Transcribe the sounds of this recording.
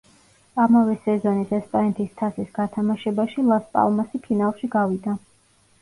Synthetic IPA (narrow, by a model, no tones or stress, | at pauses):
amavɛsɛzɔnisɛspʼanɛt̪ʰist̪ʰasisɡat̪ʰamaʃɛbaʃilˠaspʼa̰lˠmasipʰinalˠʃiɡavid̪a